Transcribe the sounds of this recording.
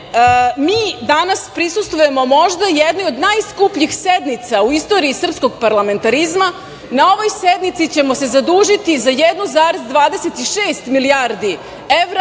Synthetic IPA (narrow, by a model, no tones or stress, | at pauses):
miːd̪anaspɾisust̪ʋuje̞mo̞mo̞ʒd̪ajɛd̪nojod̪najskupʎixsed̪nit̪sauist̪o̞ɾiːsr̩psko̞ɡ̚paɾlˠame̞nt̪aɾizma | nao̞ʋo̞jsed̪nit̪sit͡ɕe̞mo̞se̞zad̪uːʒit̪izajɛd̪nuzaːɾezd̪ʋaːd̪eset̪iʃeːst̪miliaɾd̪i | eʋɾa